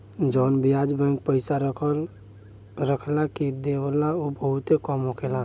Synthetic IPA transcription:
d͡ʒɔnbijad͡ʒbə̃ŋk̚pəɪsaɾəkʰəl | ɾəkʰlakid̪eʋəlaobəɦut̪ekɔmɦokʰela

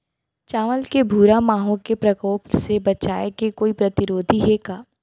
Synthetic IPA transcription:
t͡ʃaːʋəlkebʱuːɾamaːɦõkepɾɐkɔːpsebɐt͡ʃaːekekoːipɾɐt̪ɪɾoːd̪ʱiɦekaː

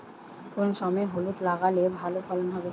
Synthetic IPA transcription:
kunsɔmɛɦolut̪laɡalebʱalopʰɔlɔnɦɔbe

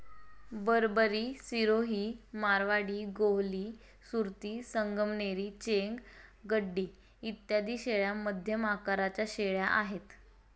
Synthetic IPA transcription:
bəɾbəɾiːsiɾoɦiːmaɾʋaɽiːɡoɦliː | suɾt̪iːsəŋɡəmneɾiːt͡ɕeŋɡɡəɖːiː | it̪jad̪iːɕeɭjaməd̪ʱjəmakaɾat͡ɕjaɕeɭjaʔaɦet̪

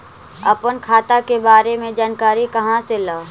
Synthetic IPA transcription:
ɐpənkʰaːt̪akebaːɾemẽd͡ʒaːnkaːɾikɐɦãselaː

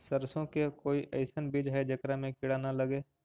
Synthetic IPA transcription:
səɾsõkekoːiʔɐ̰ɪsənbiːd͡ʒɦɛd͡ʒɐkɾamẽkɪɽaːnalɐɡeː

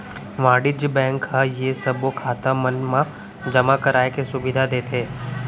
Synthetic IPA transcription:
ʋãːɖɪd͡ʒbɛ̃ːŋkɦajesəbokʰaːt̪amənmã | d͡ʒɐmakɐɾaːekesʊbɪd̪ʱad̪eːt̪ʰeː

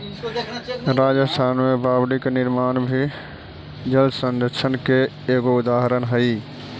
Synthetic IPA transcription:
ɾaːd͡ʒəst̪ʰaːnmẽbaːbɽiknɪɾmaːnbʱi | d͡ʒəld̪sə̃nd̪əɾʃʰənke | eːɡoʊd̪aːɦəɾənɦəi

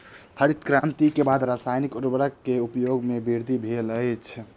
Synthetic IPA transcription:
pʰəɾit̪kɾant̪ikebad̪ɾasajnikuɾbəɾəkːeupjoɡmebiɾd̪ʱibʱeləjt͡ʃʰ

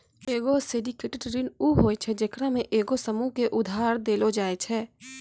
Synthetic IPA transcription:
eːɡosɪɖikeʈʈɾinuɦoːet͡ʃʰɛd͡ʒekɾamẽʔeːɡosəmuɦkeʔʊd̪ʱaːɾd̪eːlod͡ʒaːet͡ʃʰɛː

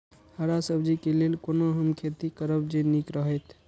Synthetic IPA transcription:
həɾasəbd͡ʒikelelkonoɦəmkʰet̪ikəɾəbd͡ʒenikɾəɦɛt̪ʰ

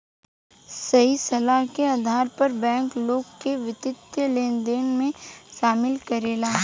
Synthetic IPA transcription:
sɐɦisɐlaɦkeaːd̪ʱaːɾpɐɾbɛ̃ːŋkloːɡkeʋɪt̪ɪt̪jəleːnd̪eːnmẽʃaːmɪlkɐɾeːlaː

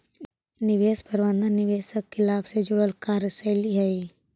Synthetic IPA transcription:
nɪʋeːspəɾʋə̃nd̪ənɪʋeːsəkːɪlaːbsed͡ʒʊɽəlkaːɾəsəːliɦɛi

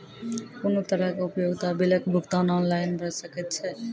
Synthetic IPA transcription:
konot̪əɾəkeupjoɡt̪abeləkbʱukt̪anɔnlajnbʱəsəkɛt̪̚t͡ʃʰɛ

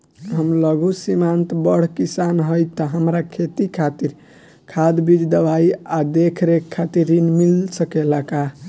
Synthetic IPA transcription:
ɦəmləɡusimant̪bəɽ̤kisanɦojt̪ɔɦəmɾakʰet̪ikʰat̪iɾ | kʰad̪bid͡ʒd̪əbajad̪ekʰɾekʰːat̪iɾːinmilsəkelaka

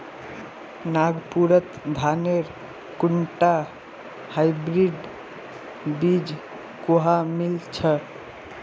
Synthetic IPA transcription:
naɡpuɾət̪d̪ʱaneɾ | kuɳʈa | hajbɾiɖ | bid͡ʒ | koɦamilt͡ʃʰə

